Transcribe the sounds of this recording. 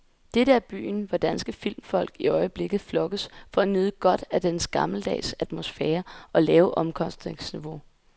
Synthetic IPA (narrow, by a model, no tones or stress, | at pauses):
d̥eɾəæɐb̥y̰ːnʋɑ̈d̥ænsɡ̥əfil̰mfɒ̽l̰ɡ̥iɒ̽ɪəb̥le̝ɡ̥ð̩ˠflɒ̽ɡ̥ðsfɒ̽ænyðˠəɡ̥ɒ̽d̥æd̥ensɡ̥ɑ̈ml̩d̥ɛ̰ːsæd̥mo̝sfɛːɐʔɒ̽lɛːʊʔɒ̽mkʰɒ̽sd̥ʁeŋsniʋo̝